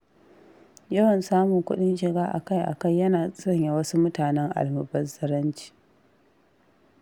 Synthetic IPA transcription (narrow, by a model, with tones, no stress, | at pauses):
jɐ˦wɐ˨nsaː˦mʊ˨ŋkʷʊ˦ɗɪ˦nʃɪ˨ɡaː˦ʔa̰˨ka˦˨jʔa̰˨kɐ˦˨jːɐ˦naː˨sʼɾɐ˦˨ɲja˨wɐ˦su˦mʊ˦taː˨nɛ˦ŋʔa̰˨lmʊ˨bɐ˦zɐ˦ɾɐ˦nt͡ʃi̥ː˦˨